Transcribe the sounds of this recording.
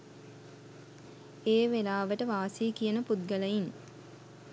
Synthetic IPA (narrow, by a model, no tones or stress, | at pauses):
eːʋelaːʋəʈəʋaːsikijənəpud̪̚ɡələjin